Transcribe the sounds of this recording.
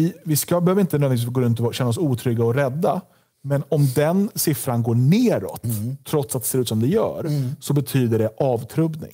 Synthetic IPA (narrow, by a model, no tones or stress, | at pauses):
ɪvɪskabɛhøːvɾɪnt̪ənøːɪvisfsɡoːɾɵnt̪̬ɔɕɛnːaɔsuːt̪ʰɾʏɡːaɔɾɛd̪ːa | mɛnɔmd̪ɛnsɪfɾanɡoːɳeːɾɔ̰t̪ʰːɾɔt̪sat̪̚d̪ɛseɾʉ̟ːt̪sɔmd̪ɛjœ̰ːɾsɔbɛt̪ʰyːd̪əɖɛʔɑːvt̪ʰɾɵbnɪ̰ŋ